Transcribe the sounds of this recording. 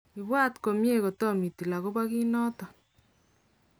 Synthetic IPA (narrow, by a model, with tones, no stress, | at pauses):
i˨βwa˦tko˨mje˦ko˨to˦mi˨ti˨la˨ko˦βwa˦ki˦nɔ˦tɔ˨